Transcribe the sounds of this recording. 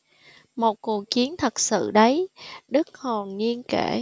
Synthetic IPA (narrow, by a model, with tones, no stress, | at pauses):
mo˨˩t̚ku˨˩ək̚t͡ɕi˨˦ənt̪ʰə˨˩k̚sɨ̰˧˨ɗə˨˦jɗɨ˦˥k̚ho˨˩nːi˧ənke˧˩